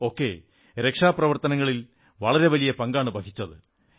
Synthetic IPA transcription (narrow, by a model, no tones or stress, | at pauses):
o̞ːkːe̞̰ | ɾe̞kʂaːprɐʋɐrt̪ɐnɐŋːɐɭil | ʋɐɭɐɾe̞ʋɐlijɐpɐŋɡaːɳɨbɐkʰit͡ɕːɐðɨ